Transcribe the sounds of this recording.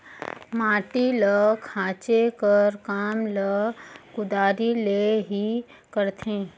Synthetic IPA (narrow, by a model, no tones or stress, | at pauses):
maːʈiləkʰãːt͡ʃekəɾkaːmləkʊd̪aːɾileɦi | kəɾt̪ʰẽː